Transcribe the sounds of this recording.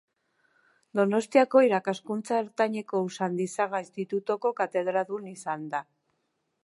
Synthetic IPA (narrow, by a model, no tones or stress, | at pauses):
d̪o̞no̞st̪iako̞iɾakaskunt͡saeɾt̪aɲe̞ko̞usand̪isaɣaest̪it̪ut̪o̞ko̞kat̪e̞ð̞ɾaðunisand̪a